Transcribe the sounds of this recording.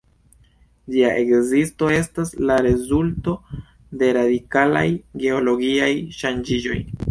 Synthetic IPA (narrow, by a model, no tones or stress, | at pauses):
d͡ʒiaʔe̞kzisto̞e̞staslaɾe̞zulto̞ | de̞ɾadikala̰jɡe̞o̞lo̞ɡiajʃand͡ʒid͡ʒo̞̰j